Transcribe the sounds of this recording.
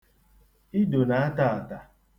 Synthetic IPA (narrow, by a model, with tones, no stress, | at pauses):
i˦do˨na˨˦a˦ta˦˨a˨ta˨